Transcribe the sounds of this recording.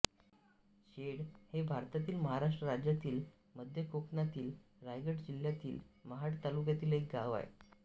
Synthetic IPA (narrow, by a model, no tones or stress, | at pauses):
ɕeɽhebʱaɾt̪at̪iːlməɦaɾaʂ̬ʈɾəɾad͡ʑjat̪iːl | məd̪ʱjəkoknat̪iːl | ɾajɡəʈd͡ʑiljat̪ḭːlməɦaʈt̪alukjat̪iːlek̚ɡaʋa̰jḛ